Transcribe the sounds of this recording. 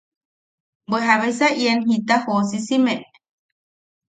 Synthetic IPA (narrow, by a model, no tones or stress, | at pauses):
beɦaβesaienɦit̪ahosisimeʔ